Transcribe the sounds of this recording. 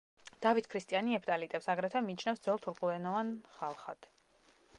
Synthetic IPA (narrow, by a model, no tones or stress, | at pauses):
d̪̥avit̪ʰkʰɾist̪ʼianiɛpʰt̪ʼalit̪ʼɛpsaɡɾɛt̪ʰɛmiːt͡ʃʰnafsd̪zɛlˠt̪ʰuɾkʼulɛnɔvanχalˠχad̪̥